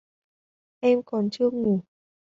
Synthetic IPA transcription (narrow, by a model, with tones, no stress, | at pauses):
ʔɛ˧mkɔ˨˩nt͡ɕɨ˧ək̚ŋu˧˩˦